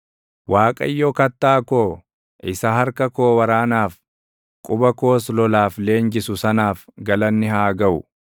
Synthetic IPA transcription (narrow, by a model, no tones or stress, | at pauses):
waːkʼɐ̰jːɔkɐt̪ːaːkoː | ʔɪsɐhɐɾkɐkoːwɐɾaːnaːf | kʼʊbɐko̞ːslɔlaːfle̞ːŋd͡ʒɪsʊsɐnaːfɡɐlɐnːɪhaːɡɐʔʊ̰